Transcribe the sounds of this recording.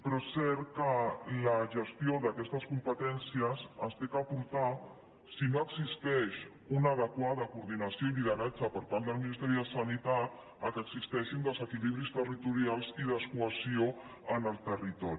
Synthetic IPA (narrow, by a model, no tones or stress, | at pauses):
pɾɔsɛɾkələʒəst̪joðakɛst̪əskumpət̪ɛnsiəsəst̪ekəapuɾt̪a | sinoəɡzist̪ɛʃ | unəðəkwaðəkuɾðinasioiliðəɾad͡ʒəpəɾpaɾlˠəlˠminist̪ɛɾiðəsənit̪a | əkəɡzist̪ɛʃind̪əzəkiliβ̞ɾist̪ərit̪uɾialˠziðəskuəsioənəlˠt̪ərit̪ɔɾi